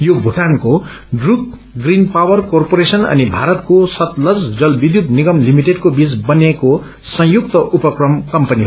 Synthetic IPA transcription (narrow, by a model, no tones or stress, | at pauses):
jobʱuʈanko | ɖruk | ɡrinpawʌrkorpoɾesʌnʌ̰nibʱaɾʌt̪kosʌt̪lʌd͡zd͡zʌlbid̪jup̪niɡʌmlimiʈeɖkobid͡zbʌneko | sʌ̃juk̚t̪ʌʔupʌkrʌmkʌmpʌniɦ